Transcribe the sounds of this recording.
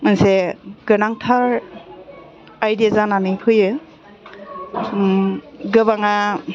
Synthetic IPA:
ɯnseɡ̥ɯnaŋtʰaɾ | ajdiazananɯkʰɯjɯ | ɡɯbaŋa

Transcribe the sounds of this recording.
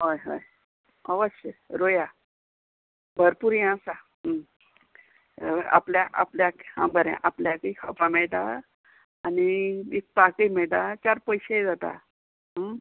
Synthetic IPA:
ɦojɦo̰j | əʋəɕəɾoja | bʱəɾpuɾjããsa | a̰pljaʔapljakhã̰bəɾɛ̰̃ʔapljakəikʰəpãmɛɭt̪a | aniik̚pakəimɛɭʈ̪at͡ɕaɾpəjɕed͡zat̪a̰ | ɦə

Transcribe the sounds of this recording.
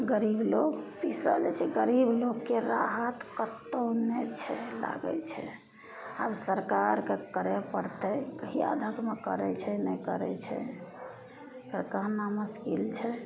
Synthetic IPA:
ɡəɾibloɡpisə̰lɛt͡ʃʰɛɡəɾibloɡkeɾaɦət̪kət̪ːonɛt͡ʃʰɛla̰ɡə̰t͡ʃʰɛ̰ | absəɾkaɾkekəɾɛpəɾt̪əkɦia̰d̪ʱəkmekə̰ɾɛt͡ʃʰɛnɛkəɾɛ̰t͡ʃʰɛ̰ | kəɾkəɦnaməskilt͡ʃʰɛ

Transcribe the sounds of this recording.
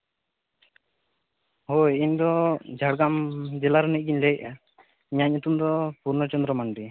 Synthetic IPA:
hojiɲd̪ɔd͡ʒʱaɽɡamd͡ʒɛlaɾɔnit̪̚ɡiɲlɛj̚a | iɲaɲɲut̪umd̪ɔpuɾnət͡ʃɔnd̪ɾɔmaɳɖi

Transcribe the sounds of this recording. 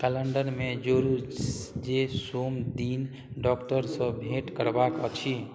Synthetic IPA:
kələɳɖəɾmed͡ʒoɾud͡ʒesomd̪in | ɖɔːkʈəɾsə̃bʱeʈkəɾbakət͡ʃʰi

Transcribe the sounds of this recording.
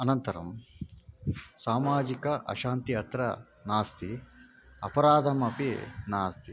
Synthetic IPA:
ɐnɐnt̪ɐɾɐm | saːmaːd͡ʒikɐʔɐ̰ʃaːnt̪iɦɐt̪ɾɐ | naːst̪i | ɐ̰pɐɾaːd̪ʱɐmɐpinaːst̪i

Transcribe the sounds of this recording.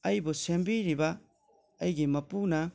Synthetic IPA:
ɐjbosembiɾibaː | jɡemɐpuna

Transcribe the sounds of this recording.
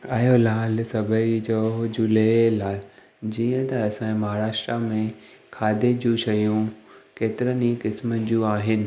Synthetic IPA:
aːjolaːlsɐbʱəid͡ʑoːd͡ʑʊlelaːl | d͡ʑiːə̃t̪ɐɐsãmɐɦaːɾaːʃʈɾamẽ | kʰaːd̪ʱed͡ʑũːʃɐjũkeːt̪ɪɾənikɪsməd͡ʑũːaːɦɪnɪ̆

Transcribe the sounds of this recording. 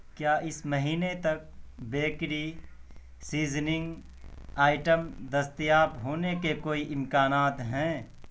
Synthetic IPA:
kjaːʔɪsmɐɦiːnet̪ɐk̚beːkɾi | siːznɪ̃ŋɡ | aːɪʈəmd̪ɐst̪jaːpɦoːnekekoːiʔɪmkaːnaːt̪ɦɛ̃ː

